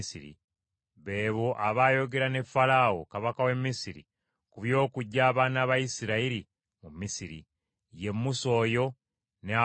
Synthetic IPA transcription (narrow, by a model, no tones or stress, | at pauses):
sḭɾḭ | βe̞ːβoʔaβaːjo̞ɡe̞ɾane̞fːalawo̞̰kaβakawe̞mːisiɾḭ | kuβjo̞ːkuɟːaːβaːnaːβajisiɾaiɾi | mumːisiɾḭ | je̞mːuso̞ːjo̞ | nea